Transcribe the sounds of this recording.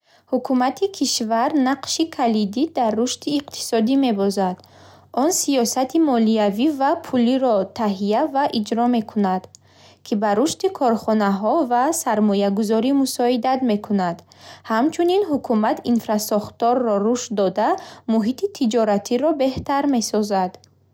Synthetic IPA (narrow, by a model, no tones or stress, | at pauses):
hukʰumat̪ʰikʰiʃvaɾnaqʃikʰalid̪id̪arːuʃt̪iːqt̪ʰi̥sɔd̪ime̞bɔzad̪̥ | ɔnsiɔsat̪ʰimɔliavivapʰuliɾɔt̪ʰaɦijavaʔid͡ʒɾɔme̞kʰunad̪̥ | kʰibaɾuʃt̪ikʰɔɾχɔnaɦɔvasaɾmɔjaɡuzɔɾimusɔid̪at̪me̞kʰunad̪ | hamt͡ʃʰuninɦukʰumat̪ʰinfɾasɔχt̪ɔɾːɔɾuʃd̪ɔd̪amuɦit̪ʰit̪ʰid͡ʒɔɾat̪ʰiɾɔbe̞ht̪aɾme̞sɔzad̪